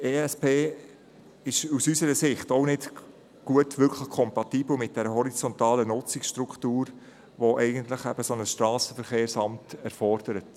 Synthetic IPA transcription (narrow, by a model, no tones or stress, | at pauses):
eːɛspeː | ɪʃusysəɾəsɪχtoʊnɪt | ɡ̥uətʋʏɾkʰləχkʰɔmpɑtiːbl̩ˠmɪt̚d̥ɛɾəɦɔɾit͡sɔntɑːlənʊt͡sɪksʃtɾukχtuːɾ | ʋɔʔɛɪɡəntləχæ̰b̥əsonəsʃtɾɑːsəfəɾχeːɾsɑmtɛɾfɔrd̥əɾət